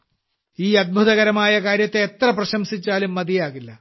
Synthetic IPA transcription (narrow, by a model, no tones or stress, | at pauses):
iːɐd̪̚bʱuðɐɣɐɾɐmaːjɐkaːɾjɐt̪ːeet̪rɐprɐɕɐmsit͡ɕːaːlumːɐd̪ijaːɣilːɐ